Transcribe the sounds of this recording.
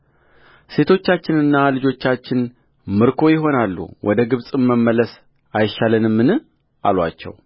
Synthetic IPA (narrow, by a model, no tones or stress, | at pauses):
se̞t̪ʰo̞t͡ʃːat͡ʃːɪnɨnːalɨd͡ʒo̞t͡ʃːat͡ʃːɪn | mɨɾkʰo̞jɪɦo̞nalːṵwʔɔd̪əɡɨβsʼɨmːəmːələs | ʔajʃalɨnɨmːɨnɨ | ʔa̰lwa̰t͡ʃːɛ̰w